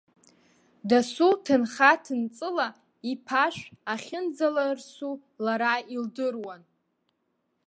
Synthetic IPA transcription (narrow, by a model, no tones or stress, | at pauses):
dasutʰɨnχatʰɨnt͡sʼɨla | ipʰaʃʷᶣaχʲɪnd͡zalarsu | laɾaildɨrwan